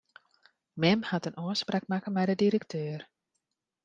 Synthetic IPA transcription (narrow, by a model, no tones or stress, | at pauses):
mɛmhatənoəsprak̚makənmɛjdədiɾəktʰøːər